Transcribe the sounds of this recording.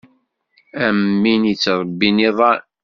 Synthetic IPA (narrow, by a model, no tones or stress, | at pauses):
æmːinit͡sːɾˤbːiniðˤɑ